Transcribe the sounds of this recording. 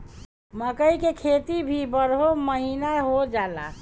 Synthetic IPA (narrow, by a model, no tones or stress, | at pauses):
məkəikekʰet̪ibʱibəɾɦoməɦinaɦod͡ʒala̰